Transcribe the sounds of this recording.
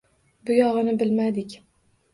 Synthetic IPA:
bʊjɒʁɨnɪbɪlmad̪ɪkʲ

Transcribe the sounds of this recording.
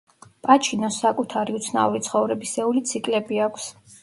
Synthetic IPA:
pʼat͡ʃʰinɔsːakʼut̪ʰaɾiut̪sʰna̰uɾit̪sʰχɔvɾɛbisɛulit̪sʰikʼlɛbiakʷʰs

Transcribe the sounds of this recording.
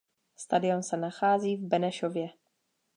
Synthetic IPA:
st̪adɪo̞nsɛnaxaːziːvbɛnɛʃovjɛ

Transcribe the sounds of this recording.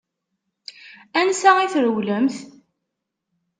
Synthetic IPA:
ænsæiθɾəwləmθ

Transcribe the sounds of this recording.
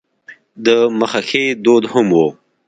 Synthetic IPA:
d̪əməxaxed̪od̪hʊmwo

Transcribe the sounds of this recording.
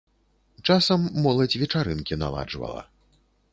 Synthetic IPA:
t͡ʂasɐmːɔlˠɐd͡zʲvʲɛt͡ʂaɾɨnkʲina̰lˠa̰d͡ʐvɐ̰lˠɐ̰

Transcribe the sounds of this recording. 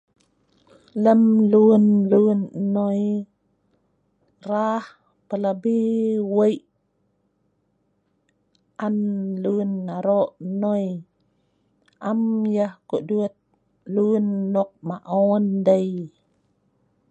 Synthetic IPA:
ləmlunlunnoj | rah | pəlabiwəjʔ | ʔanlunːaɾoʔnoj | ʔamjəhkoʔduət̪̚ | lunːɔk̚maʔɔndəj

